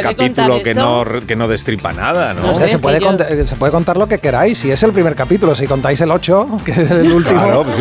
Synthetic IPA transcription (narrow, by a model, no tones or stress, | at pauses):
kapit̪ulokenokenoðe̞st̪ɾipa̰na̰ðano̰seasep̬weðekont̪sepweðeko̞nt̪aɾlo̞ke̞ke̞ɾajsːie̞se̞lpɾimeɾkapit̪ulos̬iko̞nt̪ajse̞lo̞t͡ʃokeslult̪imoɾos